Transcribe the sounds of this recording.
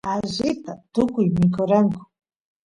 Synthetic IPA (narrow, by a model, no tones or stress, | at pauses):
aʒɪt̪at̪ʊkʊjmɪkoɾaŋkʊ̥